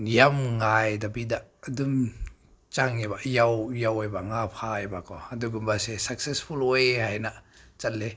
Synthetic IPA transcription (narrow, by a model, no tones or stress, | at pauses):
nijamŋajdabidaʔdum | t͡ʃaŋebaʔjawjawajbaŋapʰajbakɔaduɡɯmbasesak̚sespʰulejhajnaʔ | t͡ʃat̚le